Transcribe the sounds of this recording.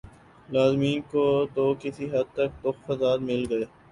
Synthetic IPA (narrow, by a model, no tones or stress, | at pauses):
laːzmiːnkot̪okɪsiɦɐd̪̚t̪ɐk̚t̪ʊxfɐsaːd̪mɪlɡɐeː